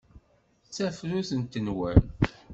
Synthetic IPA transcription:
t͡sːæfɾuθənt̪ːənwæ̰n

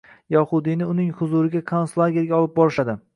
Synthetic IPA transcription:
jɒhʊd̪inɪʊnɪŋhʊzuɾɪɡʲakʰonslˠaɡʲeɾɡʲaɒlˠɪp̚bɒɾɪʃad̪ɪ

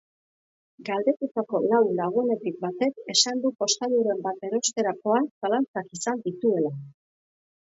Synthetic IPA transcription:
ɡald̪e̞t̪ut̪ako̞lawlaɣ̞une̞t̪ik̚bat̪e̞ke̞sand̪upo̞st̪aðuɾe̞mbat̪e̞ɾo̞st̪e̞ɾako̞ansalant͡sakisand̪it̪ue̞la

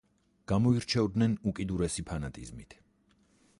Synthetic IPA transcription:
ɡ̥amɔiɾt͡ʃʰɛvd̪nɛnukʼid̪uɾɛsipʰanat̪ʼḭzmit̪ʰ

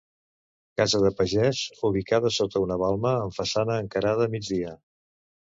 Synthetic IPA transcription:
kazəðəpəʒɛzuβ̞ikaðəsot̪əunəβalˠməːɱfəsanəːŋkəɾaðəːmid͡zðiə

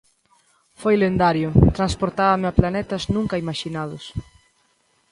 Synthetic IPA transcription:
fojlend̪aɾjʊt̪ɾanspoɾt̪aβɐmɪaplanɛt̪ɐznũŋkɐimaʃinaðʊs

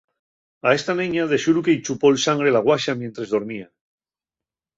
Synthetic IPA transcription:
ae̞st̪anẽɲaðe̞ʃuɾukeit͡ʃupo̞lsaŋɡɾelaɣwaʃamjent̪ɾezðo̞ɾmia

